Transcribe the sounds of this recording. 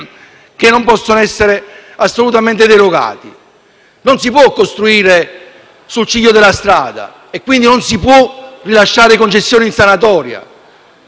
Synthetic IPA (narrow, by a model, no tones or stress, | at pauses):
k̟enːompɔsːonoɛsːeɾeasːolut̪ament̪ed̪eɾoɡa̰ːt̪i | nonsipwɔkːost̪ɾuiːɾe | sult͡ʃid̪jod̪elːast̪ɾa̰ːd̪a̰ | ekːwind̪inonsipwɔrilaʃːaːɾekont͡ʃesːjɔːninsanat̪ɔːɾja̰